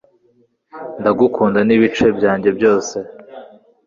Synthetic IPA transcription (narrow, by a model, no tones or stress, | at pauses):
ndaɡukʰuːndaniβit͡ʃe̞bjaːɲɟe̞bjo̞ːse̞